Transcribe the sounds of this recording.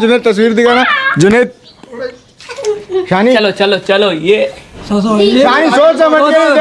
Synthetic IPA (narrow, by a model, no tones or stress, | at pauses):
d͡ʒuneːt̪t̪ːɐs̬ʋiːɾd̪ikanad͡ʒunet̪̚ | ɕaːniɐlot͡ʃɐlot͡ʃɐloje | aːnisot͡samɐei